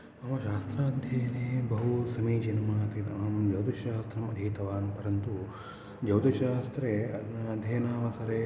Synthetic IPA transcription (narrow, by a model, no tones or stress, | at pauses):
ɐmɐʃaːst̪ɾaːɐd̪ʱjɐjɐneːbɐɦusɐmiːd͡ʒɐnɐmaːt̪iɐɐmɐd͡ʒɐwd̪ɐʃaːst̪ɾɐmɐd̪ʱiːt̪ɐʋaːnpɐɾɐnt̪u | d͡ʒɐwd̪ɐʃaːst̪ɾeɐd̪ʱjɐjɐnaːʋɐsɐɾeː